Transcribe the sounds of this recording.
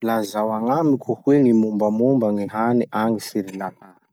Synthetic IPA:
lazawaŋamikʲʰuhweŋimumbamumbaŋiɦaniʔaŋisiɾilat̪ḁ

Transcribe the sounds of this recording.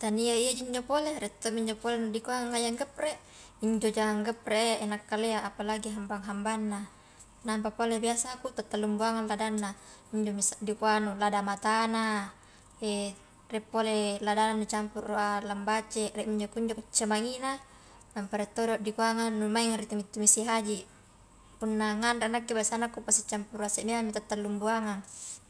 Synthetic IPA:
t̪aniaiad͡ʒiɲd͡ʒopoleɾɛt̪ːomiɲd͡ʒopolenudikuaŋaŋːajaŋɡəp̚reʔ | iɲd͡ʒod͡ʒaŋaŋɡəp̚reʔʔːnakːaleaapalaɡiɦambaŋɦambanːa | nampapolebiasakut̪at̪ːalːumbuaŋanladanːa | iɲd͡ʒomisaʔdikuanuladamat̪ana | e | rɛpːoleladananut͡ʃampurːualambat͡ʃerɛʔmiɲd͡ʒokuɲd͡ʒokut͡ʃːamaŋina | nampaɾet̪ːoɾoaʔdikuaŋanːumaiŋaɾit̪umit̪ːumisiɦad͡ʒi | punːaŋandaanakːibasanakːupasit͡ʃampuruasemeamit̪at̪ːalːumbuaŋan

